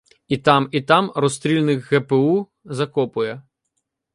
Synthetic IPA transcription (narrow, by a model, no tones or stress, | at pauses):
it̪ɑmit̪ɑmɾɔst̪ɾʲilʲnɪkɣɛpeu | zɐkɔpʊjɛ